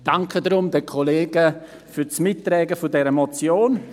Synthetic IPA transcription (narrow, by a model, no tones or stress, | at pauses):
d̥aŋkʰədɾʊmdəkʰoleːɡə | fyːt͡smɪtːɾɛːɡəfʊdɛɾəmot͡sjoːn